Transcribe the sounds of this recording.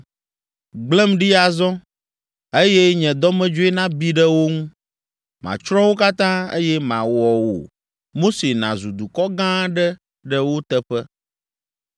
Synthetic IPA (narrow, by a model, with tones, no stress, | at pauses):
ɡ͡blɛ˦mɖi˦a˨zɔ̃˦ | e˦jɛ˦ɲɛ̃˨d̪ɔ˦mɛ̃˦d͡ʒo˦ɛ˦nã˦bi˦ɖɛ˦wo˦ŋũ˦ | mã̰˨t͡ʃɾɔ̃˦wo˦ka˦t̪ã˦e˦jɛ˦mã̰˨wɔ˨wo̰˨ | mo˦se˨nã̰˨zu˨d̪u˨kɔ˦ɡã˦ɖɛ˦ | ɖɛ˨wo˦t̪ɛ˦ɸɛ˦